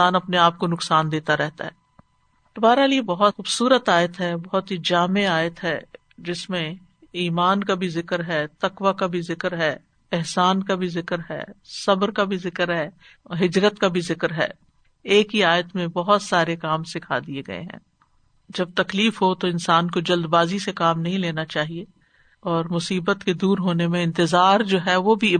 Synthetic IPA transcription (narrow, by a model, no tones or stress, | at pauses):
aːnɐpneaːp̚konʊksaːnd̪eːt̪aɾɛɦt̪a̰ɦɛː | t̪ʊbaːɾaliebɐɦɔt̪xuːbsuːɾət̪aːjət̪ɦɛbɐɦɔt̪ɦid͡ʒaːmeaːjət̪ɦɛː | d͡ʒɪsmẽ | iːmaːnkabʱizɪkɾɦɛːt̪ɐkwakabʱizɪkəɾɦɛː | ɪɦsaːnkabʱizɪkɾɦɛ̰ːsɐbɾkabʱizɪkəɾɦɛː | ɦɪd͡ʒɾət̪kabʱizɪkɾɦɛ̰ː | eːkɦiaːjət̪mẽbɐɦʊt̪saːɾekaːmsɪkʰad̪ieɡɐ̰ḛɦɛ̰̃ː | d͡ʒɐb̚t̪ɐkliːfɦot̪oɪnsaːnkod͡ʒɐld̪baːzisekaːmnɐɦĩleːnat͡ʃaːɦie | ɔːɾmʊsiːbət̪ked̪uːɾɦoːnemẽɪ̃nt̪ɪzaːɾd͡ʒoːɦɛʋobʱi